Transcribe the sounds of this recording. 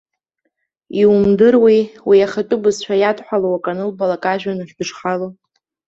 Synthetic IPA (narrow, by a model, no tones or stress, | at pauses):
imdɨrwiwiaχatʼʊbɨzt͡ʃʷᶣʰajadħʷalowakʼanɨlbalakʼaʒᶣanɨʃᶣbɨʂχalo